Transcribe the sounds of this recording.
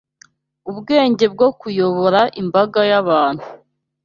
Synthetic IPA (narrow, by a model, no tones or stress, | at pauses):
ubɡe̞ːɲɟe̞b̚ɡo̞kujo̞βo̞ɾaʔimbaɡajaβaːn̥hu